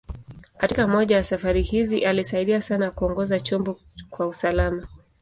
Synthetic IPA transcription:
katikamɔʄajasafaɾihiziʔalisaiɗiasanakuɔŋɡɔzat͡ʃɔmbɔ | kwausalama

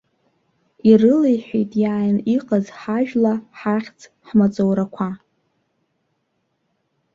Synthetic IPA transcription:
irɨlejħʷᶣejtʼjaːjniqʼazħaʒᶣlaħaχʲt͡sʰʼ | ħmat͡sʼowɾakʷʰa

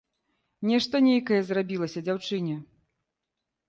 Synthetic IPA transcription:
nʲɛʂt̪ɐnʲejkɐjɛzrabʲilˠɐsʲɐd͡zʲawt͡ʂɨnʲɛ

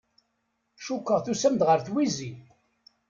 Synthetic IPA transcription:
ʃukːəʁθusæmd̪ʁəɾθwizi

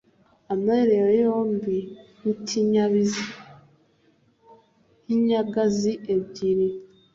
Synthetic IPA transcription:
ameɾewejoːmbinitʰiɲaβizi | hiɲaɡaziʔebɟiɾi

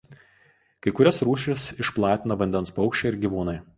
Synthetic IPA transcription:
kɐɪkʊɾʲɛsɾuːʃʲɪsɪʃplˠɑːt̪ʲɪnɐʋɐnʲd̪ʲɛnspɒʊkʃʲt͡ʃʲɛˑɪɾɡʲiʋuːnɐɪ

